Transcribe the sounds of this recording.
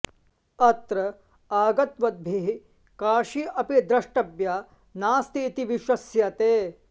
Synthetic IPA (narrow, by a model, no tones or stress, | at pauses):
ɐt̪ɾɐ | aːɡɐt̪ʋɐd̪̚bʱiɦi | kaːʃiʔɐpid̪ɾɐʂʈɐbja | naːst̪iːt̪iʋiʃɐsjɐt̪eː